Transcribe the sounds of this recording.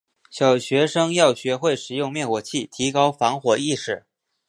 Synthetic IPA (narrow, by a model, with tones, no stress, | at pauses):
ɕjɑ˨˩ʊɕɥɛ˧˥ʂɤ˥ŋjɑ˥˩ʊɕɥɛ˧˥xwe˥˩ɪʂɻ̩˨˩jʊ˥˧ŋmjɛ˥˩nkwɔ˨˩t͡ɕʰi˥˩t̪ʰi˧˥kɑ˥ʊfɑ˧˥ŋxwɔ˨˩i˥˧ʂɻ̩˨˩˦